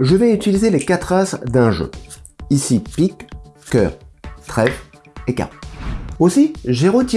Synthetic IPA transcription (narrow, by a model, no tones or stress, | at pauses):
ʒəvɛyt̪ilizelekat̪χasd̪ɛ̃ʒø̰isipikːœ̰ːʁt̪χɛ | eka̰ | osiʒeʁot̪